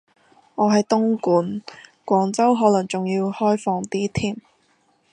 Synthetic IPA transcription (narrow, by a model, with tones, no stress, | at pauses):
ŋɔː˨˧ɦɐ˨jt̪ʊ˥ŋkuː˨˥nkʷɔː˨˧ŋt͡sɐ˥wɦɔː˨˥lɐ˨˩ŋt͡sʊ˨ŋjiː˧whɔː˥jfɔː˨˧ŋt̪iː˥t̪ʰiː˥˩m